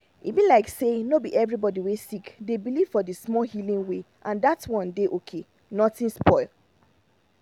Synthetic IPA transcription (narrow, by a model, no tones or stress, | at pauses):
ivĩnlaɪksenobiʔɛvɹibɔdiwesikdebiliv̥fɔdəsmɔhilĩŋwe | ʔãndatwɔ̃ndeʔokʰe | nɔtĩnspɔɪl